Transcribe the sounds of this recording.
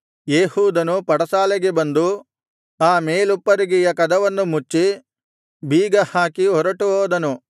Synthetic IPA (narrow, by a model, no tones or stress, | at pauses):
jeːɦuːd̪ɐnupɐɽɐsaːlɛɡebɐnd̪u | aːmeːlupːɐɾiɡijɐkɐd̪ɐʋɐnːumut͡ʃːi | biːɡɐhaːkiɦɔɾɐʈuɦoːd̪ɐnu